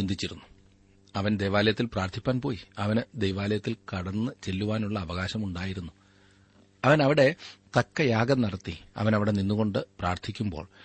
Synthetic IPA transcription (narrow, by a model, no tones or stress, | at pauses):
und̪ʱit͡ɕːiɾunːu̥ | ɐʋɐnd̪ejʋaːlɐjɐt̪ːilpraːrt̪ʰipʲːaːnpo̞ːjiɐʋɐnɨd̪ejʋaːlɐjɐt̪ːilkɐɽɐnːɨt͡ɕe̞lːuʋaːnuɭːɐːʋɐɣaːɕɐmuɳɖaːjiɾunːu | ɐʋɐnɐʋiɽe̞t̪ɐkːɐjaːɡɐnɐɽɐt̪ːiɐ̰ʋɐnɐʋiɽe̞ninːuɣo̞ɳɖɨpraːrt̪ʰikʲːumbo̞̰ːɭ